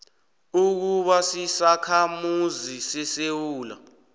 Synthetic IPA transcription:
uk̬uɓasisakʰamuzisɛsewuːla̰

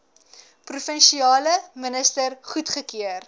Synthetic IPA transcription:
prufənʃiɑːləmənəstərχutχəkiər

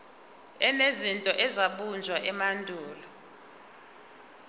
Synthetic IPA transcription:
ɛnezintʼɔʔɛzaɓund͡ʒʱwaʔɛmandʱʼuːlɔ

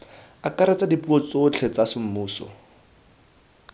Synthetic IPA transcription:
akʼaɾɛt͡sʼadipuɔt͡sot͡ɬʰɛt͡sasɪm̩muːsɔ̰

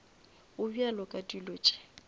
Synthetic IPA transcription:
ʊbialɔkʼadʼilɔt͡ʃʼɛ̥

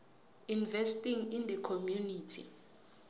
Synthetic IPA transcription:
invɛstʼiŋindəkʰomjuniːtʰḭ

